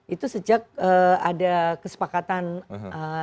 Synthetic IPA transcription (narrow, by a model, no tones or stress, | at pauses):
it̪usəd͡ʒak̚əadakəsə̥pakat̪anə